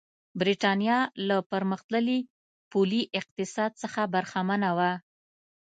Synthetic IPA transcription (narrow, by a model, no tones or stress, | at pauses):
bɾiʈɑnjɑlapəɾməxt̪ləli | puliʔɪq̚t̪ɪsɑd̪̚səxabaɾxamanawa